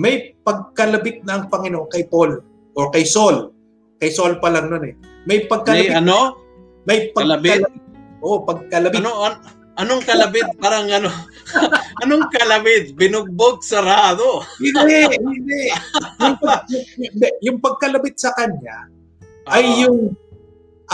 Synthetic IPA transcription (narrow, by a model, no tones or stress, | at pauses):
mɐjpɐɡ̚kɐlɐbɪt̪̚nɐɐŋpɐŋɪnoʔoŋkɐjpol | ʔokɐjso̞l | kɐjso̞lpɐlɐŋnonɛ | mɐjpɐɡ̚kɐɐbɪɐno | mɐjpɐɡlɐɐlɐbɪt̪̚ʔoʔpɐɡ̚kɐlɐbɪnoɐ | ʔɐnoŋkɐlɐbɪt̪̚paːɾɐŋɐno | ɐnoŋkɐlɐbɪt̪̚bɪnʊɡ̚boɡ̚sɐɾaːd̪o | ɪnɛjʊŋpɐjʊɛjʊŋpɐɡ̚kɐlɐbɪt̪̚sɐkɐɲːa | ʔɐjːʊŋ | ʔ